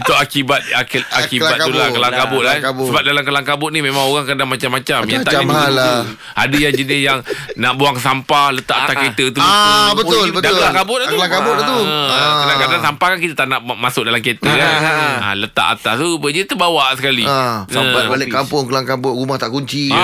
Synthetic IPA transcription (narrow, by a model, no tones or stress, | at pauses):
it̪uakibat̪̚akakibat̪kaulakəlaŋkabʊʔlaabsəbap̚dalamkəlaŋkabʊʔ̪̚nimẽmãŋoɣaŋkadaŋmat͡ʃamːat͡ʃamjat̪aʔanau | adəjaŋd͡ʒənɪsjaŋnaʔbuaŋsampalət̪aʔaʔt̪aket̪ət̪ubət̪ʊlbətdaklaŋkabʊʔ̚lak̪laŋkabʊʔat̪uəkədakadaŋsampahkankit̪at̪aʔnaʔmasʊk̚dalamket̪əna̰lət̪a̰ʔa̰t̪at̪ubəd͡ʒət̪ubawaʔsəkalisampabalɪkːampʊŋkəlaŋkabʊɾumaht̪aʔkuɲt͡ʃi